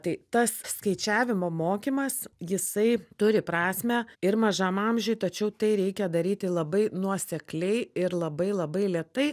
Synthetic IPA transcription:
t̪ɐɪt̪ɐsskɐɪt͡ʃʲæːʋʲɪmoːmoːkʲimɐsjɪsɐɪt̪ʊɾʲɪpɾɑːsʲmʲɛɪɾmɐʒɐmɐmʲʒʲʊjt̪ɐt͡ʃʲɛʊt̪ɐɪɾʲɛɪkʲɛd̪ɐɾʲiːt̪ʲɪlˠɐbɐɪnuɔsʲɛklʲɛɪɪɾlˠɐbɐɪlˠɐbɐɪlʲiɛt̪ɐɪ

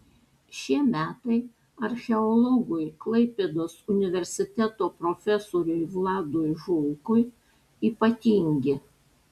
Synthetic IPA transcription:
ʃʲiɛmʲæːt̪ɐɪ | ɐɾʲxʲɛɔlˠɔɡʊjklˠɐɪpʲed̪oːsʊnʲɪʋʲɛɾʲsʲɪt̪ʲɛt̪oːpɾofʲɛsoːɾʲʊɪʋlˠɑːd̪ʊɪʒʊlˠkʊɪ | iːpɐt̪ʲiːŋʲɡʲɪ

